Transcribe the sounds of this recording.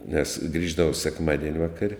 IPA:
nʲɛs ˈɡrʲiːʒdɐʋoː sʲɛkˈmɑːdʲiɛnʲ ˈʋɑːkɐrʲ

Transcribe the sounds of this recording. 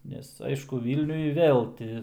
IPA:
ˈnʲɛs ˈɐɪʃkʊ ˈʋʲiːlʲnʲʊj ˈʋʲeːlˠ tʲɪ

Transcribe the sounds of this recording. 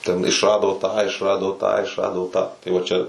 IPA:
tʲɛn ɪʃˈrɑːdoː tɑː ɪʃˈrɑːdoː tɑː ɪʃˈrɑːdoː tɑː tɐɪ ˈʋɐ ˈt͡ʃʲɛ

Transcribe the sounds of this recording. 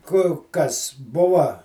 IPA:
ˈkʊ ˈkɐs ˈbʊʋɐ

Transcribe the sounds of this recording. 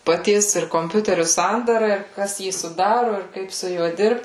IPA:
pɐˈtʲiɛs ɪr koːmʲˈpʲʊtʲɛrʲʊ ˈsɐndɐrɐ ɪr ˈkɐs ˈjiː sʊˈdɑːrʊ ɪr ˈkɐɪp sʊ ˈjuɔ ˈdʲɪrpt

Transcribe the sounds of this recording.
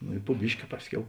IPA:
noː ɪ pʊ ˈbʲɪʃʲkʲɪ ˈpɑːsʲˌkʲɛʊ

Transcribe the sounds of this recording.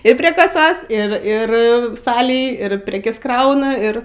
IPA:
ɪr pʲrʲiɛ kɐˈsoːs ɪr ˈɪr ˈsɑːlʲeːj ɪr ˈpʲrʲæːkʲɛs ˈkrɐʊnɐ ˈɪr

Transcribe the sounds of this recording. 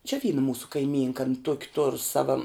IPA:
t͡ʃʲɛ ˈʋʲiːnɐ ˈmuːsʊ kɐɪˈmʲiːŋkɐ ɐn ˈtuɔkʲɪ toːr ˈsɑːʋɐ

